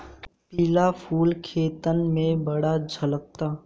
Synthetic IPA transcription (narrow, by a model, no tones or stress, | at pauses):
pilapʰuːlkʰeːt̪ənmẽbɐɽad͡ʒʱɐlək̚t̪aː